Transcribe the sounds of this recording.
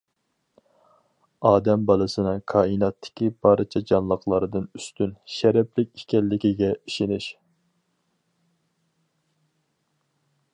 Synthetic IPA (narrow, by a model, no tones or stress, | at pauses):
ɑːd̪ɛmbɑlˠɨsɨnɨkʰɑːinɑt̪ʰːɪ̥kʲʰibɑːɾɨt͡ʃʰɛd͡ʒɑnlˠəqlˠɑɾɨd̪ɨnyst̪ynʃɛɾɛplɪkʲi̥kʲɛlːɪkʲiɡʲɛiʃɪnɪʃ